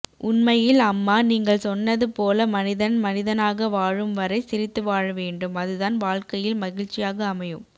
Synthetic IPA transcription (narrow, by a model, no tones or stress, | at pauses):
ʔʊnmɐjɪlɐmːaːniːŋɡɐɭsɔnːɐðɯpoːlɐmɐnɪðɐnmɐnɪðɐnaːɣɐʋaːɻɯmʋɐɾɐɪsɪɾɪt̪ːɯʋaːɻɐʋeːɳɖɯmɐðɯðaːnʋaːɻkɐjɪlmɐɣɪɻt͡ʃːɪjaːɣɐːmɐjɯm